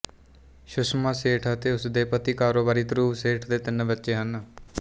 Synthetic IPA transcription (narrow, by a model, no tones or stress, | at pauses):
ʃʊʃmaːseːʈʰət̪eːʊsd̪eːpət̪iːkaːɾoːbaːɾiːt̪ɾuːseːʈʰd̪eːt̪ɪnbɪtːʃeːɦən